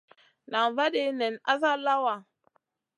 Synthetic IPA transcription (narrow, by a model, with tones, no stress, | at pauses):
na˨va˦de˦˨nɛ˨nʔa˦sa˦la˦wa˨